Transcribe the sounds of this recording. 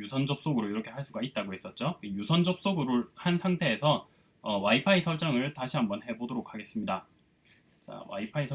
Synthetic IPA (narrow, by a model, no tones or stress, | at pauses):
jusʰʌnd͡ʑʌp̚s͈oɡɯɾoiɾʌkʰe̞ɦaɭs͈uɡait̚t͈aɡoes͈ʌt̚t͡ɕ͈okijusʰʌnd͡ʑʌp̚s͈oɡɯɾohansʰaŋtʰe̞ːsʰʌ | ʌwaipʰaisʰʌɭt͡ɕ͈aŋɯɭtaɕʰiɦambʌnɦe̞bodoɾokʰːaɡe̞s͈ɯmɲida | t͡ɕa̰wa̰ipʰaisʰ